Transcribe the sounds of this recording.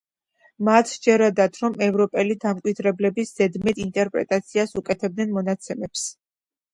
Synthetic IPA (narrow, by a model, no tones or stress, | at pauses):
mat̪ʰd͡ʒɛɾad̪at̪ʰɾɔmɛvɾɔpʼɛlid̪amkʼwid̪ɾɛblɛbisz̥ɛd̪mɛt̪int̪ʼɛɾpʼɾɛ̰t̪ʼat̪sʰiasukʼɛt̪ʰɛb̚d̪nɛnmɔnat̪sʰɛmɛps